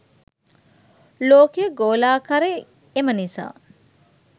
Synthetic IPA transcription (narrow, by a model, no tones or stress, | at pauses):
loːkejɡoːlaːkɐɾe | emɐnisa̰ː